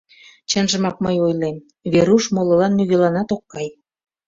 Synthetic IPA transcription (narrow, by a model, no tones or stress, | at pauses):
t͡ɕənʒə̆mɑk̚məjojlem | βeɾuʃmolɤ̆lɑnːyɣelɑnɑt̪okːɑj